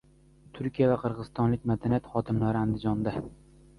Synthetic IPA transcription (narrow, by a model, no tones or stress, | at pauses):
t̪ʰʊɾkʲijavaqʰɨɾʁɨzɨst̪ɒnlɪk̚ʲmad̪anijat̪χɒt̪ʰɪmlaɾɪand̪ɪd͡ʒɒnd̪a